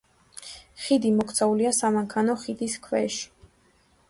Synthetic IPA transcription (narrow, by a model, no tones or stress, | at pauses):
χid̪imɔkʰt̪sʰauliasamaŋkʰanɔχid̪iskʰwɛ̰ʃi̥